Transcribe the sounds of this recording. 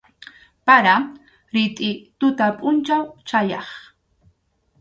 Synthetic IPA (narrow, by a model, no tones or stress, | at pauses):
paɾa | ɾɪt̪ʼɪt̪ʊt̪apʼʊnt͡ʃawt͡ʃajɑχ